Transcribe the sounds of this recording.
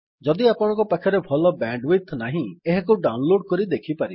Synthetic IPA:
d͡ʒɔd̪iapɔɽ̃ɔ̃ŋkɔpakʰjɔɾebʱɔlɔbaɳɖwit̪ʰnaɦĩeɦekuɖawnloɽkɔɾid̪ekʰipaɾi

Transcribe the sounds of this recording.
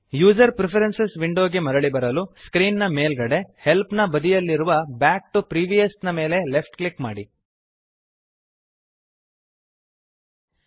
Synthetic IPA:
juːd͡ʒɐɾpɾipʰɐɾensesʋiɳɖo̞ːɡe̞mɐɾɐɭibɐɾɐluskɾiːnːɐme̞ːlɡɐɽe̞helpnɐbɐd̪ijɐlːiɾuʋɐbjaːk̚ʈupɾiːʋijɐsnɐme̞ːle̞le̞pʈklikma̰ːɽi

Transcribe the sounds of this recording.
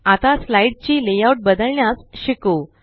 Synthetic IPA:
at̪aslaiɖ̚t͡ɕiːlejawʈ̚bəd̪əɭɳjasɕiko

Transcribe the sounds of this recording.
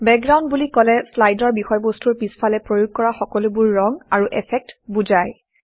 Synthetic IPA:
bɛɡɹawndbulikɔlɛslajdɔɹbixɔjbostuɹpispʰalɛpɹojuɡ̚kɔɹaxɔkɔlʊbʊɹːɔŋaɹuʔɛpʰɛk̚tbuzaj

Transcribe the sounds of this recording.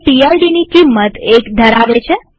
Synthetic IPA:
ʈiaɾɖinikimːət̪ekd̪ʱəɾaʋet͡ʃʰe

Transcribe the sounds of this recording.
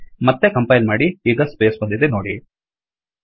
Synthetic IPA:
mɐt̪ːekɐmpɐjlmaːɽiiːɡɐspeːsbɐnd̪id̪enoːɽi

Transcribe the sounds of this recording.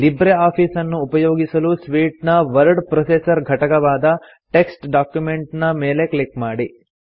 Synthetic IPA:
libɾeaːpʰiːsɐnːuːpɐjoːɡisɐlusʋiːʈnɐʋɐɾɖpɾɔsesɐɾɡʱɐʈɐkɐʋaːd̪ɐ | ʈe̞ksʈɖaːkjumeɳʈnɐmeːleklikmaːɽi

